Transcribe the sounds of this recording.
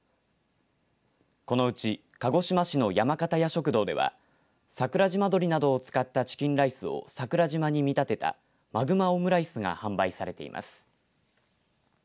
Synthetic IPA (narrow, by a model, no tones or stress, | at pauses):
ko̞no̞ɯ̟t͡ɕi | kaɡo̞ɕimaɕino̞jamakat̪ajaɕo̞kɯ̟d̪o̞ːd̪e̞̰βa̰ | sakɯ̟ɾaʑimad̪o̞ɾʲinad̪o̞ːt͡sɨ̥kat̪ːat͡ɕi̥kʲĩnɾaisɨo̞̰sakɯ̟ɾaʑimaɲ̟imʲit̪at̪e̞t̪a̰ | maɡɯ̟maomɯ̟ɾaisɨŋa̰hãmbaisaɾe̞t̪e̞̰ḭmʔa̰sɨ̥